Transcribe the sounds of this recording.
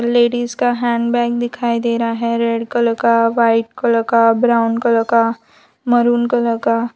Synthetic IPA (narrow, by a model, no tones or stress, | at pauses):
ɾleːɖiːzkaɦɛ̃ːɳɖbɛːk̚d̪ɪkʰaːid̪eːɾaɦɛɾeɖkolɐkaʋaːɪʈ̚kolɐɡabɾaːʊnkolɐka | mɐɾuːnkolɐɡaː